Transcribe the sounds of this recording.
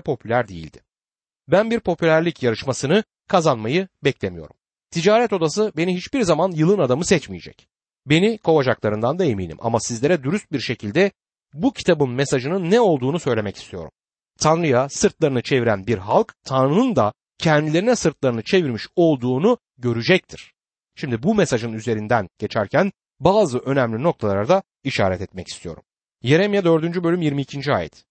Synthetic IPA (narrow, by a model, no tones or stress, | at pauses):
pʰo̞pʰylʲæɾd̪ejḭlʲd̪̥ɪ̥ | bænbiɾpʰo̞pʰylʲæɾlʲicjaɾɯʃmasɯnɯ | kʰazanmajɯbɛclʲemijo̞̰ɾum | t̪ʰid͡ʒaːɾɛt̪o̞d̪asɯbe̞niɦit͡ʃbiɾzamanjɯlˠɯnad̪amɯsɛt͡ʃmijed͡ʒɛ̰c | be̞nikʰo̞vad͡ʒaklˠaɾɯnd̪and̪aemḭːnḭmʔa̰masizlʲe̞ɾɛd̪uɾyst̪̚biɾʃe̞cʰilʲd̪ɛ | bucʰi̥t̪ʰabɯnmesaʒɯnɯnːɛo̞lˠd̪uːnusø̞jlʲe̞mɛci̥st̪ʰijo̞̰ɾṵm | t̪ʰanɾɯjasɯɾt̪lˠaɾɯnɯt͡ʃʰe̞viɾænbiɾɦalˠkt̪ʰanɾɯnɯnd̪a | cʰɛnd̪ilʲe̞ɾinɛsɯɾt̪lˠaɾɯnɯt͡ʃʰe̞viɾmiʃo̞lˠd̪uːnu | ɟø̞ɾyd͡ʒɛc̚t̪ʰiɾ̥ | ʃimd̪ibumesaʒɯnyze̞ɾind̪ænɟ̥e̞t͡ʃʰæɾcʰæn | baːzɯʔø̞næmlʲino̞k̚t̪ʰalˠaɾad̪a | iʃa̰ːɾɛt̪ɛt̪mɛci̥st̪ʰijo̞̰ɾṵm | je̞ɾemjad̪ø̞ɾd̪ynd͡ʒybø̞lʲymjiɾmiːcʰind͡ʒia̰ːjɛ̰t̪